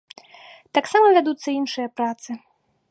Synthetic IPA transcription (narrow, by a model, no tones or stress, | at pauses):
t̪aksamɐvʲad̪ut̪sːɐinʂɨjɐpɾat̪sɨ